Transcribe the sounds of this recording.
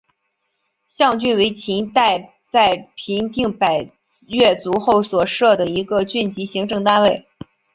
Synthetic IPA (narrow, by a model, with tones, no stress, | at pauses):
ɕjɑ˥˧ŋt͡ɕy˥˩nwe˧˥ɪt͡ɕʰi˧˥ŋt̪a˥˧ɪ | t͡sa˥˩ɪpʰi˧˥ŋt̪i˥˩ŋpa˨˩ɪ | ɥɛ˥˩t͡su˧˥xo˥˩ʊswɔ˨˩ʂɤ˥˩d̪ə˩i˧˥ɡə˧t͡ɕy˥˩nt͡ɕi˧˥ɕi˧˥ŋʈ͡ʂɤ˥˩˧ŋt̪a˥nwe˥˩ɪ